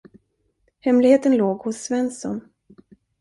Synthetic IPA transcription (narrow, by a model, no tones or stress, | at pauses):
hɛmlɪɡheːt̪ənloːɡhʊsːvɛnsɔ̰n